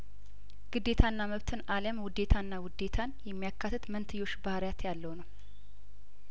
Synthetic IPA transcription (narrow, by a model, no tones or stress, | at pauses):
ɡ̥ɨd̪ːe̞t̪ʰanːaməβt̪ʰɨnaləmwʊd̪e̞t̪ʰanːawʊd̪e̞t̪ʰanjɛmːijakʰːat̪ʰːɨt̪mənt̪ʰɨjːo̞t͡ʃːbahɾjat̪jalːəwnəw